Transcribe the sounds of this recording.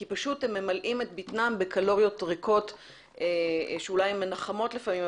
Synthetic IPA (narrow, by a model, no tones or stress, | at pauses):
kipaʃutemːemalʔimetbitnambekalo̞ʁjo̞tʁeko̞t | eʃeulajemenaχamo̞tlefamim